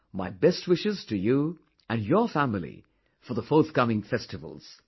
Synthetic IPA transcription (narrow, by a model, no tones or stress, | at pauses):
maɪbɛst̚wɪʃɨz̥tʰɨjɨ | ɨ̃njə˞fæ̃ml̩ˠḭ | fə˞ðəfɔɹθkʌmɪ̃ŋfɛstɨvə̰l̩ˠz̥